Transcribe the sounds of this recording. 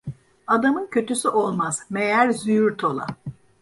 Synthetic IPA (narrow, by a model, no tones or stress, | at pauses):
ad̪amɯncʰøt̪ysyʔo̞lˠmaz̥mejæɾzyjyɾt̪ʰo̞lˠa̰